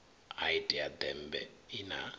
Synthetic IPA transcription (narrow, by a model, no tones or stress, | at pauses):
aitʼiad̪ɛmbɛ̰ina